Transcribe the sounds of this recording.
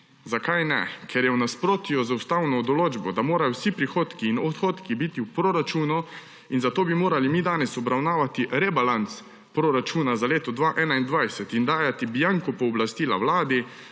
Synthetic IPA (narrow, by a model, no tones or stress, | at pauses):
zakajnɛ̰kʰɛɾjɛwnaspɾoːt̪jɔzawst̪aːwnɔːd̪ɔloːd͡ʒbɔd̪amoːɾajɔwsipɾixoːt̪kiːnɔt̪xoːt̪kibit̪iwpɾoɾat͡ʃuːnu | inzat̪oːbimoːɾalimiːd̪aːnɛsɔbɾawnaːʋat̪iɾɛbalant̪s | pɾoɾat͡ʃuːnazaleːt̪ɔd̪ʋaːʔɛːnaind̪ʋajsɛt̪ind̪aːjat̪ibijaŋkɔpɔːblast̪iːla̰wlaːd̪i